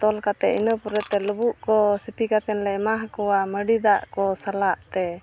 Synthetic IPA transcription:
t̪ɔlkat̪ɛinəpɔɾɛt̪ɛləbuʔkɔsipʰikat̪ɛnlɛmaɦkɔwaməɖid̪aʔkɔsalaʔt̪ɛ

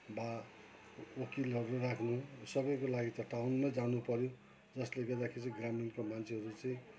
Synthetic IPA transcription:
ba | okilʌɾurakʰnusʌbʌjkolaɡit̪ʌʈawnːʌjd͡zanupʌɾjo | d͡zʌsleɡʌd̪akʰeɾit͡sʌĩɡraminkomant͡sʰeɦʌɾut͡sʌĩ

